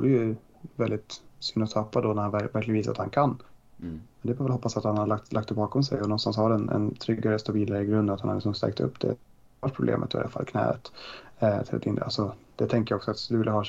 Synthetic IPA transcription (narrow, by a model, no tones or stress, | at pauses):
vuːɾəjɵ | vɛld̪ɪt̪sʏnd̪ɔt̪ʰɑpːad̪ɔnæɾhanvvæɾklɪɡviːs̬at̪hankʰanː | mɛnd̪ɛfɔɾvɛlhɔpːasat̪hanhadɭakt̪lʔakt̪ɛbɑːkɔms̬ɛ̰jɔnɔnst̪anshaɖɛnɛ̰nt̪ʰɾʏɡːaɾəst̪abiːlaɾɪɡɾɵnnat̪hanhaɾlɪksɔmst̪ɛ̰ɡ̚kt̪ʰɵ̰pːd̪ɛ̰ | vaʈ̪̚pʰɾʊblḛːmʔə̰t̪ːɪ̰d̪ɛ̰a̰fa̰lːkʰnɛ̰ːə̰t̪ | t̪ʰɪlat̪ʰɪna̰lsɔd̪̥ɛt̪ʰɛŋkəjaɔksɔat̪d̪ɵvɪlːəɦɑː